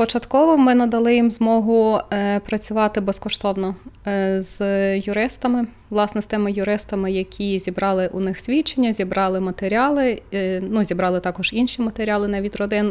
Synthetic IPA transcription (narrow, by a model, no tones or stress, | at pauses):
pɔt͡ʃɐt̪kɔʋɔmɪnɐd̪ɐlˠɪjimzmɔɦʊpɾɐt͡sʲʊʋɑt̪ɪbɛskɔʃt̪ɔwnɔ | z̥jʊɾɪst̪ɐmɪʋwlˠɑsnɛst̪ɪmɪjʊɾɪst̪ɐmɪjɐkʲʰizʲibɾɑlˠɪʔʊnɪxsʲʋʲit͡ʃenʲːɐzʲibɾɑlˠɪmɐt̪eɾʲɑlˠɪnuzʲibɾɑlˠɪt̪ɑkɔʒinʃʲimɐt̪eɾʲɑlˠɪnɛʋʲid̪ʲrɔd̪ɪn